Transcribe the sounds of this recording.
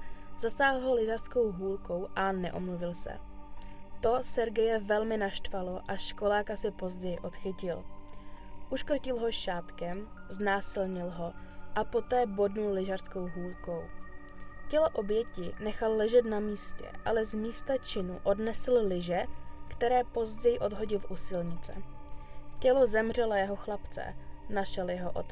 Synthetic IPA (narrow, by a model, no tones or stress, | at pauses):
z̥asaːɦl̩ɦolɪʒaɾsko̞wɦuːlko̞wʔanɛ̰ʔo̰mluvɪlsɛ̰ | t̪o̞sɛɾɡɛjɛvɛlmɪnaʃt̪valo̞ʔaʃko̞laːkasɪpo̞zɟɛjɪʔo̞t̪xɪcɪl | ʔuʃkr̩cɪlɦo̞ʃaːt̪kɛmznaːsɪlɲɪlɦo̞ʔapo̞t̪ɛːbo̞dnullɪʒar̥sko̞wɦuːlko̞w | cɛloʔo̞bjɛcɪnɛxalːɛʒɛt̪namiːscɛ̰ʔa̰lɛzmiːst̪at͡ʃɪnuʔo̞dnɛsl̩lɪʒɛkt̪ɛɾɛːpo̞zɟɛjɪʔo̞dɦo̞ɟɪlʔusɪlɲɪt͡sɛ̰ | cɛlo̞zɛmr̝ɛlojɛɦo̞xlapt͡sɛ̰naʃɛljɛɦoʔo̰t̪